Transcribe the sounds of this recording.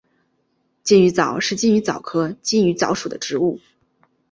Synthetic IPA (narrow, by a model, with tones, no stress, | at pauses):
t͡ɕi˥˩ny˧˥t͡sɑ˨˩˦ʊʂɻ̩˥˧t͡ɕi˥˩ny˧˥t͡sɑ˨˩ʊkʰɤ˥t͡ɕi˥˩ny˧˥t͡sɑ˧˥ʊʂu˨˩d̪ə˦ʈ͡ʂɻ̩˧˥u˥˩